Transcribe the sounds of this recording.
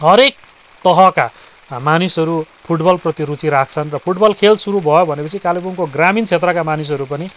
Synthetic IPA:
ɦʌɾek̚ | t̪ʌɦʌka | manisʌɾupʰuʈbʌlprʌt̪iɾut͡siɾakʰt͡sʰʌnrʌpʰuʈbʌlkʰelsuɾubʱʌjobʱʌnepʌt͡sʰikalipunkoɡramint͡sʰet̪rʌkamanis̬ʌɾupʌni

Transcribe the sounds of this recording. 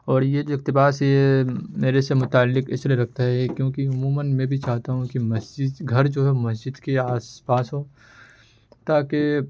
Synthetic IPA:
ɔːɾjed͡ʒoɪk̚t̪ɪbaːsjemeːɾesemʊt̪aːlːɪkɪ̰slieɾɐk̚ʰt̪aɦɛkjõːkiʊmuːmənmɛ̃bʱit͡ʃaːɦt̪aɦũkimɐsd͡ʒɪd̪ɡʱɐɾd͡ʒoːɦɛmɐsd͡ʒɪd̪keaːspaːsɦoː | t̪aːke

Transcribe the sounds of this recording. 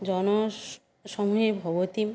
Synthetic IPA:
d͡ʑɔno | ʃɔmuebʱɔbot̪im

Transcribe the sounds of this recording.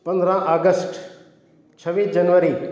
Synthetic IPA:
pɐ̃nd̪ɾə̃ʔaːɡəsʈ | t͡ʃʰɐʋiːsd͡ʒɐnʋəɾi

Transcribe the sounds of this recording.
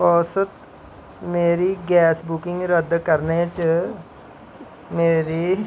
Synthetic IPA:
pɔːsət̪ | meːɾiːɡɛːsbʊkɪŋɡɾəd̪kəɾnet͡ʃ | meːɾiː

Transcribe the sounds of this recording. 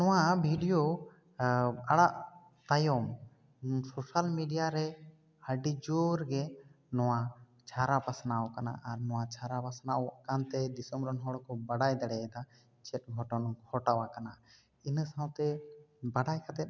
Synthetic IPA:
nɔwabʱiɖijo | aɽaʔ | t̪ajɔm | sosalmiɖijaɾɛ | əɖid͡ʒoɾɡɛ | nɔwa | t͡ʃʰaɾapasnawɔkana̰ʔaɾnɔwat͡ʃʰaɾapasnaɔkant̪ɛd̪isɔmɾɔnɦɔɽkɔbaɽajd̪ɛɽɛɛd̪a | t͡ʃɛt̚ɡʱɔʈɔnɡʰʱɔʈawakana | inəsaw̃t̪ɛbaɽajkʰat̪ɛ

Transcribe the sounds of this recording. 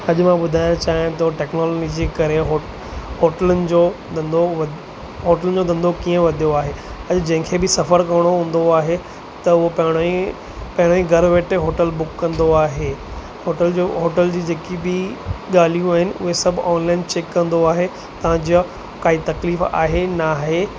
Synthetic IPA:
ɐʄʊmãɓʊd̪ʱaːɪ̃t͡ɕaːɪ̃t̪ɐʈɛːknɔːlːɡid͡ʑikɐɾeɦo | hoːʈəlʊnɪ̆d͡ʑoːd̪ɐ̃nd̪oʋɐ | ɦoːʈəlʊnɪ̆d͡ʑoːd̪ɐ̃nd̪ʱokiːə̃ʋɐd̪ʱijoaːɦe | ɐʄd͡ʑɐ̃ɦɪ̃kʰebɪsɐfəɾkɐʋəɽ̃oɦũːnd̪oaːɦe | t̪ɐʊɦopɐɦɪ̃ | pɐ̃ɦɪɽ̃ĩɡɐɾʋeːʈeɦoːʈəlbʊkːɐ̃nd̪oaːɦe | hoːʈəld͡ʑoɦoːʈəld͡ʑiːd͡ʑeːkibɪɠaːl̤ijũaːɦɪnɪʔʊ̰ɦesɐbʱɔːnlaːɪnt͡ɕeːkːɐ̃nd̪oaːɦe | t̪ɐʋ̤ãd͡ʑia | kaːit̪ɐkliːfa̰ːɦenaːɦe

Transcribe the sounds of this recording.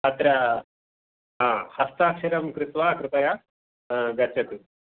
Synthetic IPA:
ɐt̪ɾɐ | ɦãːhɐst̪aːkʃɐɾɐmkɾɪt̪ʋaːkɾɪpɐja | ɡɐt͡ʃːɐt̪u

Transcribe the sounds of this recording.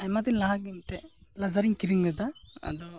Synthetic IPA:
ajmat̪inlaɦak̚d̪imʈɛlazaɾiŋkiɾiŋlɛd̪aa̰d̪ɔ

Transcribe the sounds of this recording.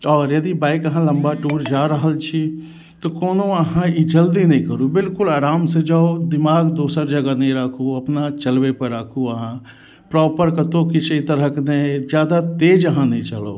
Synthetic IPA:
ɔːɾjɐd̪ibaːɪkəɦãlɐ̃mbaʈuːɾd͡ʒaːɾəɦəlt͡ʃʰi | t̪okoːnõɐɦãid͡ʒəld̪inɐ̃ĩkəɾubɪlkʊlaːɾaːmsed͡ʒaod̪ɪmaːɡd̪oːsəɾd͡ʒɐɡanɐĩɾəkʰuɐpnat͡ʃəlwepəɾəkʰuəɦã | pɾɔːpəɾkət̪okit͡ʃʰit̪əɾəkned͡ʒjaːd̪at̪eːd͡ʒəɦãnɐɦĩt͡ʃəlo̰ː

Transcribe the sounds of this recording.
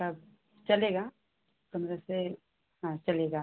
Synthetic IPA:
ab | t͡ʃɐleːɡa | kɐnɾəse | ãt͡ʃɐleːɡaː

